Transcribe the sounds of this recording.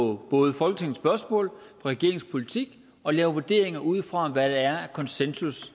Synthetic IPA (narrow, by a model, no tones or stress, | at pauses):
ɒb̥ɔ̽ːð̞ˠfɒ̽lɡ̥ə̥t͡sʰe̝ŋn̩sb̥ɶɐsmɔ̰ːlpʰɒ̽ʁɛɡ̥e̝ɐe̝ŋspʰo̝lit͡sʰiɡ̥ | ɒ̽lɛːʊʋu̝ɐd̥e̝̰ɐe̝ŋɐʔuð̞̰ˠfʁɑ̈ʋæɾ̥eæɐækʰɒ̽nsensus